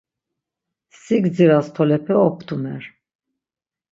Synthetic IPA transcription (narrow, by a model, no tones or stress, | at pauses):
siɡd͡ziɾast̪ʰɔlɛpʰɛɔp̚ʰt̪ʰʼumɛɾ